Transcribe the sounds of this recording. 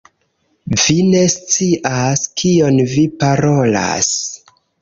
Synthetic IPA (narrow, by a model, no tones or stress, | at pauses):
vine̞st͡siʔaskʰio̞nvipaɾo̞la̰s